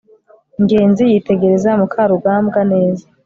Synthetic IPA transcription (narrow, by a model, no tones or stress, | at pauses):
ŋɡe̞ːnzijite̞ɡe̞ɾe̞zamukʰaɾuɡaːmbɡane̞ːza